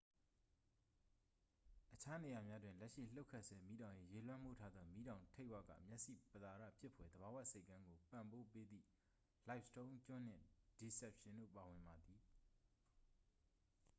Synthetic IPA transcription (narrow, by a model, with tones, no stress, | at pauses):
ʔət͡ɕʰa˦ne˨ja˨mja˦dwɪ̃˨nlɛ˦ʔʃḭ˦˨l̥o˦ʊkʰːɛ˦˨ʔsɛ˦mi˦ɾã˨ʊ̃je˨je˨lwã˦mu˦˨tʰa˦d̪ðɔ˦mi˦ɾã˨ʊ̃ntʰe˦ɪʔwa̰˦˨ɡä̰˦˨mjɛ˦ʔsḭ˦˨pət̪a˨ɾä̰˦˨pʰjɪ˦pʰːwɛ˨d̪əba˨wa˦˨ʔse˦ɪkːã˦ŋɡo˨pã˨mpo˦pe˦d̪ðḭ˦˨ | la˨ɪpstõ˦ʊ̃t͡ɕʊ̃˦˨n̥ɪ̰̃˦˨d̥i˨sɛ˦˨p̚ʃɪ̃˨ndo̰˦˨pa˨wɪ̃˨mba˨d̪ði˨